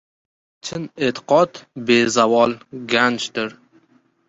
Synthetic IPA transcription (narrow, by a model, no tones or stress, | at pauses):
t͡ʃʰɪnet̪ʰɪ̥qʰɒt̪bezavɒlˠɡant͡ʃd̪ɪɾ